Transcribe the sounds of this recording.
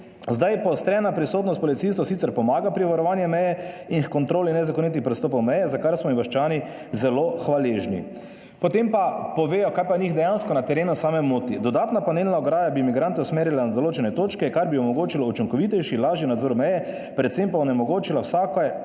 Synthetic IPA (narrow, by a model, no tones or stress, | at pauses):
zd̪ajpɔst̪ɾɛːnapɾisoːt̪nɔst̪pɔlit̪sist̪ʋɔsit̪sɛɾpɔmaːɡapɾiʋaɾɔʋaːnjɛmɛjɛinxkɔnt̪ɾoːlinɛzakɔnit̪̬ixpɾɛst̪oːp̬ɔwmɛjɛzakaɾsmɔiʋaʃt͡ʃaːni | zɛloxʋaleːʒnḭ | pɔt̪empapɔʋeːjɔkaːjpaniːxd̪ɛjanskɔnat̪ɛɾeːnusaːmɛmot̪id̪ɔd̪aːt̪napanelnaɔɡɾaːjabimiɡɾant̪ɛusmeːɾjilanad̪oloːt͡ʃɛnɛt̪oːt͡ʃkɛkaɾbiɔmɔɡoːt͡ʃilɔut͡ʃiŋkɔʋit̪ɛjʃilaːʒjinad̪zoːɾmɛjɛ | pɾɛt̪sempaɔnɛmɔɡoːt͡ʃilawsak